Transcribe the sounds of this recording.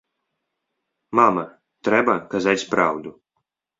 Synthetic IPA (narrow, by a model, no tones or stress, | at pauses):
mama | t̪ɾɛbakazat̪ʲsʲpɾawd̪u